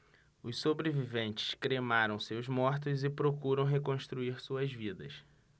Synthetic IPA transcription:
ʊssobɾevivẽnt͡ʃɪ̥ʃkɾemaɾɐ̃w̃sewzmɔɾt̪ʊzɪpɾokuɾɐ̃w̃ɦekõst̪ɾuiɾsuɐzvid̪ɐs

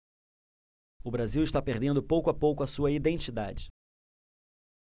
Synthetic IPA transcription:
ʊbɾaziwɪʃt̪apeɾd̪ẽnd̪ʊpowkʊapowkʊɐsuɐid̪ẽnt͡ʃid̪ad͡ʒɪ

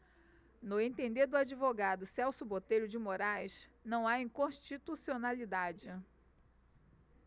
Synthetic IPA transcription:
nʊẽt̪ẽnd̪eɾd̪ʊad͡ʒivoɡad̪ʊsɛwsʊbot̪ejɾʊd͡ʒɪmoɾajsnɐ̃w̃aĩkõʃt͡ʃit̪usionalid̪ad͡ʒɪ

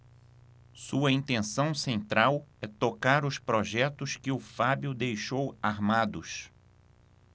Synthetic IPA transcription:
suɐĩnt̪ẽsɐ̃w̃sẽnt̪ɾawɛt̪okaɾʊspɾoʒɛt̪ʊskɪʊfabjʊd̪ejʃowaɾmad̪ʊs

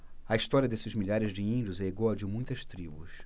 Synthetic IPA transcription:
ɐist̪ɔɾiɐd̪esɪzmiʎaɾɪzd͡ʒɪĩnd͡ʒʊzɛeɡɔd͡ʒɪmũj̃t̪ɐst̪ɾibṵs

